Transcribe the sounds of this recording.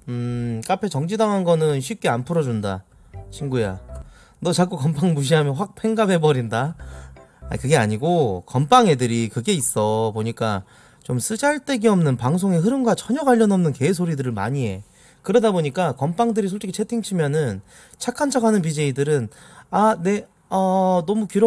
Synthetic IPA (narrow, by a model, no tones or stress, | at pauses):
ɯk͈apʰe̞t͡ɕʌŋd͡ʑidaŋɦanɡʌnɯnɕʰɥip̚k͈e̞anpʰɯɾʌd͡ʑunda̰ | ɕʰimɡuja̰ | nʌt͡ɕak͈ukʌmpʰaŋmuɕ̬iɦamjʌnɸwak̚pʰe̞ŋɡabe̞bʌɾinda | a̰kɯɡe̞aɲiɡokʌmp͈ʰaŋe̞dɯɾikɯɡe̞is͈ʌpoɲik͈a | t͡ɕoms͈ʰɯd͡ʑaɭt͈e̞ɡiʌmnɯnpaŋs̬ʰoŋe̞ɦɯɾɯnɡat͡ɕʌɲʌɡwaʎːʌnʌmnɯnke̞sʰoɾidɯɾɯɭma̰ɲie̞̰ | kɯɾʌdaboɲik͈akʌmpʰaŋdɯɾisʰoɭt͡ɕ͈ikʰit͡ɕʰe̞tʰiŋt͡ɕʰimjʌnɯn | t͡ɕʰakʰant͡ɕʰaɡanɯnpid͡ʑeidɯɾɯnane̞ | ʌnʌmukiɾo